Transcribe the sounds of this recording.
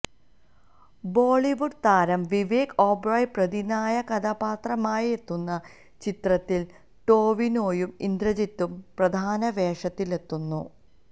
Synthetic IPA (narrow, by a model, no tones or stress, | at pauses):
bo̞ːɭiʋuɖt̪aːɾɐmʋiʋeːkoːbrɐjprɐd̪inaːjɐkɐd̪ʱɐpaːt̪rɐmaːjie̞t̪ːunːɐ | t͡ɕit̪rɐt̪ːil | ʈo̞ːʋinoːjumind̪rɐd͡ʑit̪ːumprɐd̪ʱaːnɐʋeːʂɐt̪ːile̞t̪ːunːṵ